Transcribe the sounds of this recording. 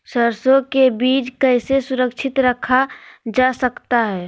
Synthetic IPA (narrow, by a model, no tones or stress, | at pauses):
səɾsõkebiːt͡ʃkəɦɪsesʊɾəkʃʰɪt̪ɾəkʰad͡ʒaːsəkt̪aɦɛː